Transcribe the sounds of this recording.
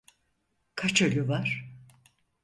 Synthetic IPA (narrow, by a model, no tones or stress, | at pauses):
kʰat͡ʃølʲyvaɾ̥